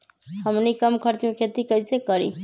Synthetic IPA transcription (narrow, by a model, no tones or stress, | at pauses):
həmnikəmkʰəɾt̪mẽkʰet̪ikəɪsekəɾḭ